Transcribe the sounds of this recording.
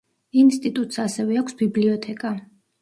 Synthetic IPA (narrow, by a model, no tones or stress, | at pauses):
inst̪ʼit̪ʼut̪ʼsasɛvɛakʰsbibliɔt̪ʰɛkʼa